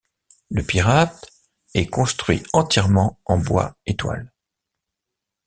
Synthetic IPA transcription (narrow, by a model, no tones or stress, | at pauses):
ləpiʁat̪ | ɛkɔ̃st̪χɥḭɑ̃t̪jɛʁmɑ̃ɑ̃bwa̰et̪wa̰l